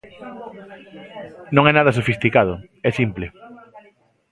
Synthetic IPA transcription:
nõŋɛnaðɐs̬ofist̪ikað̞ʊɛsimplɪ

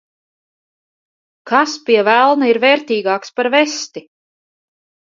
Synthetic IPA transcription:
kaspiɛvælˠnaiɾvɛːɾt̪iːɡɑːkspaɾvɛst̪i

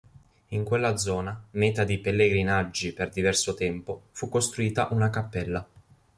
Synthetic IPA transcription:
iŋkwelːad̪zɔːnamɛːt̪ad̪ipelːeɡɾinad͡ʒːiperd̪ivɛrsot̪ɛmpofukːost̪ɾuiːt̪aʔunakapːɛlːa

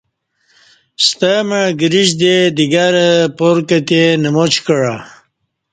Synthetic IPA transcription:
st̪əməɡəɾiʑd̪ed̪iɡaɾəpoɾkət̪enəmot͡ɕkəɻa

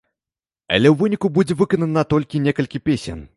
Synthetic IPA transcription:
ɐ̰lʲɛwvɨnʲikubud͡zʲɛvɨkɐnɐnɐt̪ɔlʲkʲinʲekɐlʲkʲipʲesʲɛ̰n

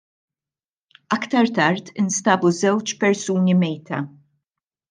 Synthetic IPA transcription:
ɐkt̪ɐɾt̪ɐɾt̪ɪnst̪ɐːbuzɛwt͡ʃpɛɾsuːnimɛjt̪ɐ̰

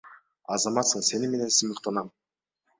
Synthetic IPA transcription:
ɑzɑmɑt̪səɴse̞nɪme̞ne̞nsɪməqt̪ɑnɑm

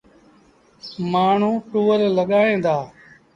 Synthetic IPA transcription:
maːɳ̤ũːʈuːəɾləɠaːẽːd̪aː

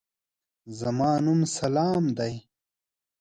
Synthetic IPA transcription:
zɐmaːnumsɐlaːmd̪ɐj

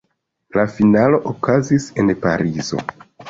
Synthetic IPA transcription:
lafinalo̞ʔokazise̞npa̰ɾizo̞̰

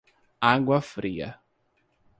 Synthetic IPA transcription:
aɡwɐfɾiɐ̰

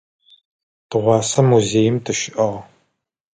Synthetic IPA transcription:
d̥ɨʁʷɑːsɐmuzeːjɪmtʰɨʃɪʔɐʁɐ

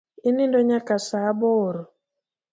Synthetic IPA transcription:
ɪnindoɲakasaboːɾɔ

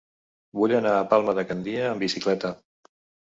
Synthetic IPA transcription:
βuʎənaːpalˠməðəkənd̪iəːmbisiklɛt̪ə

